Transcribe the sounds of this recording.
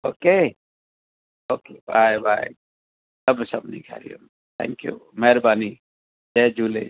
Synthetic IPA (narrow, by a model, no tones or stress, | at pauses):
oːke | oːkebaːjbaːj | sɐbsɐbnĩkʰa̰ːɾḭjo̰m | t̪ʰɛ̰̃ŋkjṵmɛɾbaːni | d͡ʒeːd͡ʒuːlḛ